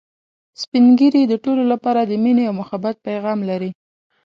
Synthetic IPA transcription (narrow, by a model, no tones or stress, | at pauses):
spiŋɡəɾid̪əʈololapɑɾad̪əmineawmʊxabat̪̚pajɣɑmlaɾi